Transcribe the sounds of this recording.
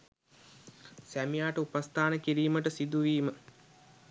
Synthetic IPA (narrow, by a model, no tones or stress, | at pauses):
sæmijaːʈəupast̪ʰaːnəkiɾiːməʈəsid̪uʋiːmə